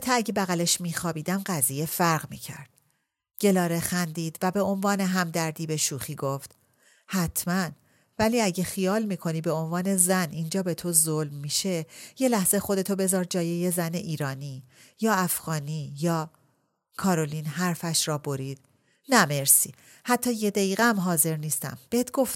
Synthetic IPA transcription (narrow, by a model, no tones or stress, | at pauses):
t̪ʰɒæɟebæɣæleʃmiːxɒːbiːd̪æmɢæziːje̞fæɾɣmḭːcʰæ̰ɾd̪̥ | ɟ̥e̞lɒːɾe̞xænd̪iːd̪̥væbe̞onvɒːne̞ɦæmd̪æɾd̪iːbe̞ʃuːxiːɡoft̪ | hæt̪ʰmæn | væliːæɟexijɒːlmiːkʰo̞niːbe̞o̞nvɒːne̞zænʔiːnd͡ʒɒːbe̞t̪ʰo̞zolmːiːʃe̞je̞læhz̥exo̞d̪e̞t̪ʰo̞be̞zɒːɾd͡ʒɒːje̞jezæne̞ʔiːɾɒːniː | jɒːæfɣ̥ɒːniːjɒː | kʰɒːɾo̞liːnɦæɾfæʃɾɒːbo̞ɾiːd̪̥̚ | næme̞ɾsḭː | hæt̪ʰːɒːjed̪æiːɣeæmɦɒːze̞ɾniːst̪æ̰mb̥eet̪ɡ̥o̞ft̪